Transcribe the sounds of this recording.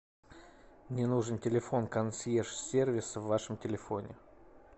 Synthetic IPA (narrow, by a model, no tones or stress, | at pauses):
mnʲɪnuʐəntʲɪlʲɪfo̞nkɐnsʲjeʂsʲervʲɪsvːaʂəmtʲɪlʲɪfo̞nʲɪ